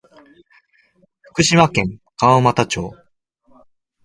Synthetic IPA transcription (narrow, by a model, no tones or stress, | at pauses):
ɸɯ̥kɯ̟ɕimakẽ̞ŋkamat̪at͡ɕo̞̰ː